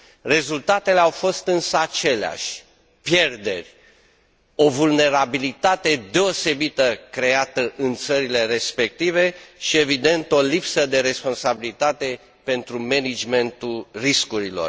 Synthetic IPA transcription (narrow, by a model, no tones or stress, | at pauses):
re̞zult̪at̪e̞leawfo̞st̪ɨnsəat͡ʃe̞lea̰ʃʲ | pje̞rd̪e̞̰rʲ | o̞vulne̞ɾabilit̪at̪e̞d̪e̞ose̞bit̪əkɾe̞at̪əʔɨnt̪səɾile̞ɾe̞spe̞k̚t̪ive̞ʃie̞vid̪e̞nt̪o̞lipsəd̪e̞ɾe̞spo̞nsabilit̪at̪e̞ | pe̞nt̪ɾume̞nid͡ʒme̞nt̪ulriskuɾilo̞̰r